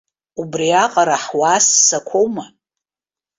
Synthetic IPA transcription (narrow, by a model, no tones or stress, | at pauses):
ubriaqʼaɾaħwasːakʷʰowma